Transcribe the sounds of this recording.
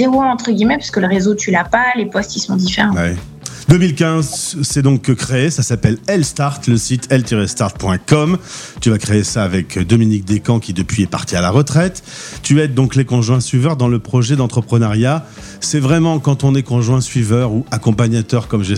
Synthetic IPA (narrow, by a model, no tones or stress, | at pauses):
d̪ewɔ̃ɑ̃t̪χəɡʲimɛpḁskələʁezot̪ʰylapalepɔst̪isɔ̃d̪ifḛʁɑ̃wi | d̪əmilkʲɛ̃zsɛd̪ɔ̃kːəkχeesasapɛlɛlst̪aʁt̪ləsit̪ʰɛlt̪iʁest̪aʁt̪̚pwɛ̃kɔmt̪yvakχeːsaːvɛkd̪ɔminik̚d̪ekɑ̃kʲid̪əpɥiɛpa̰ʁt̪ialaʁət̪χɛt̪ː | yɛd̪̚ːɔ̃klekɔ̃ʒwɛ̃sɥivœʁd̪ɑ̃ləpχɔʒɛd̪ɑ̃t̪χəpχənaʁja | sɛvʁɛmɑ̃kɑ̃t̪ɔ̃nɛkɔ̃ʒwɛ̃sɥivœʁuakɔ̃paɲat̪œʁkɔmʒe